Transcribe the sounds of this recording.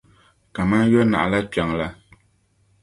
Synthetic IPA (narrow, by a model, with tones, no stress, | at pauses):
ka˨ma˦jɔ˦na̰˨ʔla˦pja˨ŋla˦